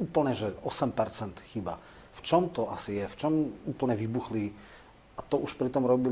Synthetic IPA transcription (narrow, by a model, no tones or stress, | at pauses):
uːpl̩ɲɛʒɛɔsɛmpɛɾt͡sɛnt̪xiba̰ | ft͡ʃɔmt̪ɔasijɛft͡ʃɔmuːpl̩ɲɛʋibuxli | ʔat̪ɔʔuʃpɾit̪ɔmɾɔbi